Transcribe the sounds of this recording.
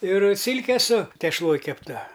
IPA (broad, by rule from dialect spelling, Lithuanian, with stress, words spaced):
ɪr ˈsʲɪlʲkʲɛ sʊ tʲɛʃˈlˠoːj kʲɛpˈtɐ